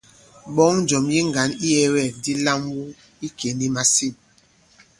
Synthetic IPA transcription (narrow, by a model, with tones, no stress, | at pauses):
ɓɔ˦ŋ̩˨˦d͡ʒɔ˨mji˦ŋ˨ɡa˨˦ni˦ɛ˦wɛ˨di˦la˦mwu˦ | i˦ke˨ni˦ma˨si˦˨m